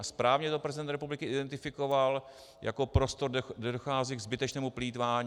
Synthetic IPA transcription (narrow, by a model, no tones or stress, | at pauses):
ʔaspɾaːvɲɛt̪opɾɛzɪdɛnt̪ɾɛpublɪkɪʔɪdɛnt̪ɪfɪko̞val | jʔa̰ko̞pɾo̞st̪oɾddɛdoxaːziːɡzbɪt̪ɛt͡ʃnɛːmupliːt̪vaːɲ